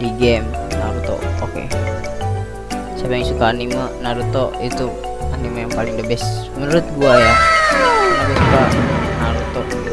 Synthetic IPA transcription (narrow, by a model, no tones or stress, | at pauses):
diɡɛmnaɾut̪ɔ̰ʔokḛ | sapaiŋsukaːnimanaɾut̪ɔʔit̪u | animajaŋpalɪŋdəbɛs | mənuɾʊt̪̚ɡuaja | nabisukanaɾut̪ɔʔ